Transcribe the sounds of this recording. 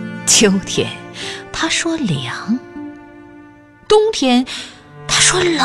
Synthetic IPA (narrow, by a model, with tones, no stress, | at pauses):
t͡ɕʰjo˧˥ʊt̪ʰjɛ̰˧˥nt̪ʰa˥ʂwɔ˥ljɑ˨˧˦ŋ | t̪ʊ˥ŋt̪ʰjɛ˥n | t̪ʰa˥ʂwɔ˥l